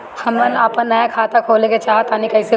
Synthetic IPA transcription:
hɐmənaːpɐnnɐjakʰaːt̪akʰoːlẽket͡ʃaːɦt̪aːnikɐɪse

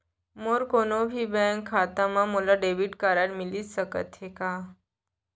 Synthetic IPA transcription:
moɾkonobʱiːbɛŋkʰːat̪amamulaɖebiʈkaɾaɾmiliːssəkə̰t̪ɦeka

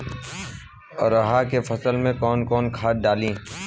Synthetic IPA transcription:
ɾɐɦakefɐsəlmẽkɔːnkɔːnkʰaːʈ̚ɖaːlĩː

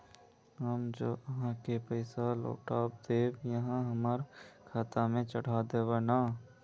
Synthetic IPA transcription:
ɦəmd͡ʒoːʔəɦãkepəɪsalo̰ːʈaːp̚d̪eːbjəɦãɦəməɾkʰaːt̪amẽt͡ʃəɽ̤ad̪eːbanaː

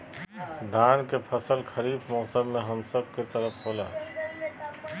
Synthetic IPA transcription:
d̪ʱaːnkepʰəsəlkʰəɾiːbmɔːsəɾmẽɦɐmsəb̚ʱket̪əɾəpɦoːlaː

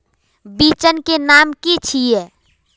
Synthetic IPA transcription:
biːt͡ʃənkenaːmkit͡ʃʰijeː

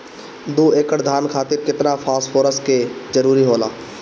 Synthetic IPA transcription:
d̪uːeːkəɽd̪ʱaːnkʰaːt̪ɪɾkɪt̪nafʰaːsfʰoːɾəsked͡ʒəɾuːɾiɦoːla̰ː

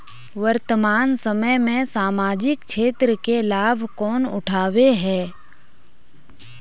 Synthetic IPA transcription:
ʋəɾt̪əmaːnsəməjmẽsaːmaːd͡ʒɪk̚ʃʰeːt̪ɾəkelaːbʱkɔːnʊ̰ʈʰaːweɦɛː

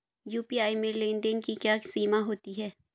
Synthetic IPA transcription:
juːpiaːimẽlẽːnd̪ənkikjaːsiːmaɦoːt̪iɦɛː

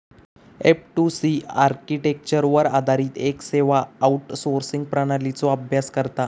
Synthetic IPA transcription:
ep̚ʈusiaɾkiʈek̚t͡ɕəɾʋəɾad̪ʱaɾiːt̪ekseʋaːuʈsoɾsiŋɡ̚pɾəɽ̃alit͡sɔabʱjaskəɾt̪a

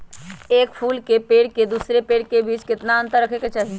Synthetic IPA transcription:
eːkpʰuːlkepeːɽked̪uːsɾepeːɽkebiːt͡ʃkɪt̪naə̃nt̪əɾːəkʰeket͡ʃaɦi

